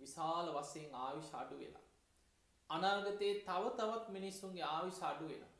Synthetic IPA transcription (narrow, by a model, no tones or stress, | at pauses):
ʋisaːləʋasejeŋaːʋiʃəa̰ɖuʋḛla̰ | anaːɡɐt̪eːt̪aʋət̪aʋat̪minisːuŋɡeaːʋiʃəːɖuʋḛlo̰